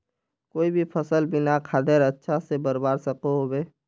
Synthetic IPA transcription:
koːibʱipʰəsəlbɪnakʰaːd̪eɾətːʃʰasebəɾbaːɾsəkoɦobeː

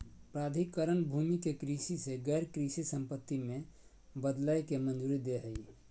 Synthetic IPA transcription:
pɾad̪ʱikəɾənbʱumikekɾisiseɡəɾkɾisisəmpət̪ːimẽ | bəd̪lajkemənd͡ʒuːɾid̪eɦəi

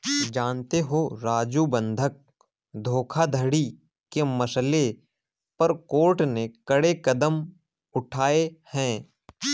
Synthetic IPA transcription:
d͡ʒaːnt̪eɦoɾaːd͡ʒubə̃nd̪ʱək̚ | d̪ʱoːkʰad̪ʱəɽi | kemɐsle | pɐɾkoːɾʈnekəɽekɐd̪əm | ʊʈʰaːehɛ̃ː

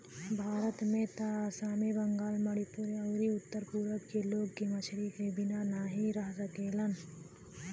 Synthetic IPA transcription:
bʱaːɾət̪mẽt̪asaːmebɐ̃ŋɡaːlmɐɽipʊɾeɐːɾiʊt̪ːəɾpuːɾəkkeloːɡ̚kimɐt͡ʃʰɾikebɪnanaɦĩɾɐɦsəkeːlən

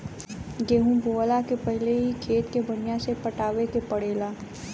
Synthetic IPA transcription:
ɡeːɦũboːʋəlakepɛɦleɦikʰeːt̪kebɐnijãsepəʈaːʋekepɐɽeːlaː

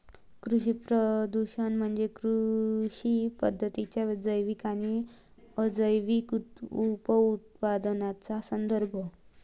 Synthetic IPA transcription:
kɾuɕipɾəd̪uɕənm̤əɳd͡zekɾuɕipəd̪ʱːət̪it͡ɕjad͡zəjʋikañi | əd͡zəjʋikuupəut̪̚pad̪nat͡sasənd̪əɾbʱɔ

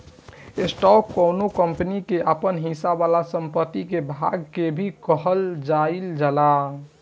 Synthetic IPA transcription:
esʈɔkːonokəmpənikeʔəpənɦĩsabalasəmpət̪ːikebʱaɡ̚kebʱikəɦəld͡ʒaild͡ʒala

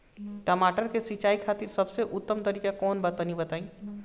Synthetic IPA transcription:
ʈəmaʈəɾkesit͡ʃaikʰat̪iɾsəbseʔut̪ːəmt̪əɾikakɔnbət̪ənibət̪aĩ

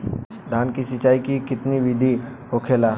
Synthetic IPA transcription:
d̪ʱaːnkisɪt͡ʃaːikikɪt̪niʋid̪ʱiɦokʰelaː

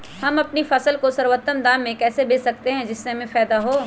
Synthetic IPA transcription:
hɐmɐpnifɐsəlkosɐɾwət̪ːəmd̪aːmːẽkɛːsebeːsɐk̚t̪eɦɛ̃d͡ʒɪsːemẽfɛːd̪aɦoː

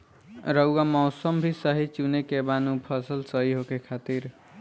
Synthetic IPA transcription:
ɾʌwːamɔwsəmbʱisʌɦit͡ʃunekebanupʰʌsəlsʌɦiɦokekʰat̪iɾ

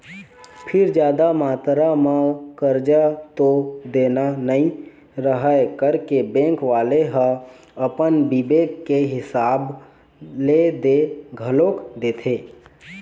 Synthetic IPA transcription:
pʰɪɾd͡ʒjaːd̪amaːt̪ɾamãkəɾd͡ʒat̪od̪eːnanəĩ | ɾəɦəjkəɾkebɛ̃ːŋkʋaːleɦə | əpənbibeːkːeɦɪsaːb | led̪eɡʱəloːkd̪eːt̪ʰeː

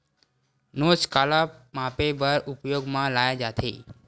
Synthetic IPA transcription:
not͡ʃkalamãpebəɾʔʊpjoɡmãlajad͡ʒat̪ʰḛ

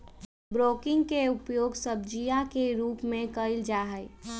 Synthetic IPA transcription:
bɾoːkɪ̃ŋɡkeʊpjoːɡsəb̚d͡ʒijakeɾuːpmẽkəɪld͡ʒaːɦəɪ

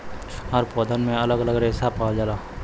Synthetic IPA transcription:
əɾpɔːd̪ənmẽɐləɡələɡɾeːsapad͡ʒalaː

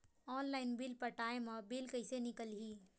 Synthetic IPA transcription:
ɔnlaɪnbilpəʈaemebilkəɪsenikəlɦi

